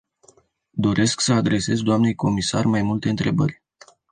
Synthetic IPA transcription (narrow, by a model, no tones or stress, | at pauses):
d̪o̞ɾʔe̞sksəad̪ɾe̞se̞zd̪oamne̞jko̞misa̰rmajmult̪e̞ɨnt̪ɾe̞bə̰rʲ